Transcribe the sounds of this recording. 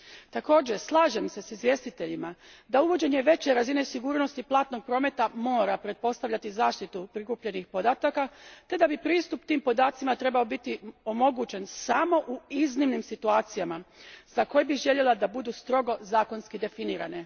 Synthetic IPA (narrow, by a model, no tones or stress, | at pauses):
t̪ako̞ːd͡ʑe̞slˠaːʒe̞mse̞sizʋje̞ːst̪it̪e̞ʎima | d̪auʋo̞d͡ʑe̞ɲe̞ʋe̞t͡ɕe̞ɾazinesiɡuːɾnost̪iplˠaːt̪no̞ɡ̚pɾo̞ːme̞t̪amo̞ːɾapɾe̞t̪̚po̞st̪aʋʎat̪izaːʃt̪it̪upɾikupʎe̞nixpo̞d̪aːt̪akat̪e̞d̪abipɾiːst̪upt̪iːmpo̞d̪aːt̪simat̪ɾe̞bao̞bit̪io̞mo̞ɡut͡ɕe̞nsamo̞ʔuiznimnimsit̪uaːt̪sijamaz̥ako̞jebiʒe̞ʎe̞lad̪abud̪uːst̪ɾo̞ɡo̞zaːko̞nskid̪e̞finiːɾa̰ne̞